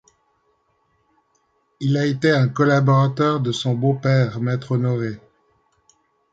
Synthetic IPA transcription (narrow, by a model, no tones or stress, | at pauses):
ilaet̪eɛ̃kɔlabɔʁat̪œʁd̪əsɔ̃bopɛʁmɛt̪χɔnɔʁe